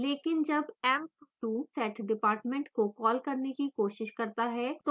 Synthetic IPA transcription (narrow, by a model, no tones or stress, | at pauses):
leːkɪnd͡ʒɐbɛːmʈuːsɛːʈʰɖɪpaːɾʈmẽɳʈkokɔːlkɐɾnekikoːʃɪʃkɐɾt̪aɦɛːt̪o